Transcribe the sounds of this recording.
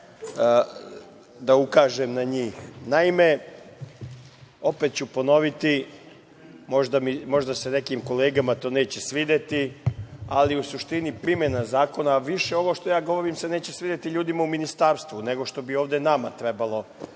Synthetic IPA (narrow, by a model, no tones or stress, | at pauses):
d̪aukaːʒemnaɲiːxnaime̞ | o̞pet̪̚t͡ɕupo̞no̞ʋit̪i | mo̞ʒd̪amimo̞ʒd̪ase̞nekimko̞leːɡamat̪o̞ːne̞ːt͡ɕe̞sʋid̪et̪i | aliusuʃt̪inipɾimje̞nazaːko̞naʋiʃeo̞ʋo̞ʃt̪ojaːɡo̞ʋo̞ɾimse̞ne̞ːt͡ɕesʋiːd̪et̪iʎuːd̪imauminist̪aːɾst̪ʋune̞ɡo̞ʃt̪o̞bio̞ːʋd̪e̞namat̪ɾe̞balˠo̞